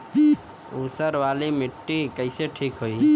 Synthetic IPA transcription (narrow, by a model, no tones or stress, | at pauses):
usəɾʋalimiʈːikəɪseʈʰikɦoi